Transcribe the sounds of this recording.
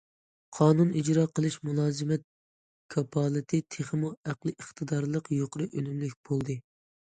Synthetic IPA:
qʰɑːnunid͡ʒɾɑːqʰəlˠɨʃmulˠɑːzɨmɛt̪̚ | kʰɑpʰɑːlˠɨt̪ʰɨt̪ʰeχmuæqlˠɨʔəχt̪ʰɨd̪ɑɾlˠəqjoqʊɾɨʔølymlyk̚ʲb̥olˠd̪ɨ

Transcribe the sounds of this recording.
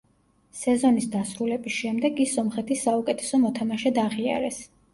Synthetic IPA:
sɛzɔnisd̪asɾulɛbisʃɛmd̪ɛɡisːɔmχɛt̪ʰisːaukʼɛt̪ʰɛ̥sɔmɔt̪ʰamaʃɛd̪aʁia̰ɾɛs

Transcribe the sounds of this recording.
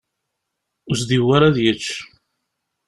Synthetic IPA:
ʊsd̪iwːaɾaðjət͡ʃː

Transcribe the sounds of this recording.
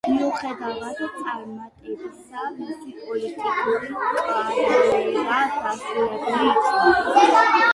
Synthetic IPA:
miuχɛd̪avat̪t̪sʼaɾmat̪ʼɛbisamisipʼɔlit̪ʼikʼuɾiaɾɛiɾaɡasulɛbniat̪sʼɔlɛ

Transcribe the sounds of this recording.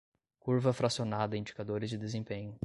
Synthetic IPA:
kuɾvɐfɾasionad̪ɐ̃ĩd͡ʒikad̪oɾɪzd͡ʒɪd̪ezẽpẽɲʊ

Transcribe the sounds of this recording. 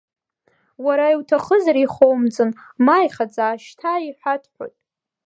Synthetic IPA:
waɾaiwtʰaχəzaɾiχowmd͡zɨnmajχad͡zaːʃtʰaiħʷᶣatʰħʷᶣo̰tʼ

